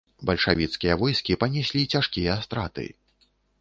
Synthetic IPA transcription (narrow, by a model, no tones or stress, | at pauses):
bɐlʲʂavʲit̪skʲijɐvɔjskʲipɐnʲɛsʲlʲit͡sʲaʂkʲijɐst̪ɾat̪ɨ̰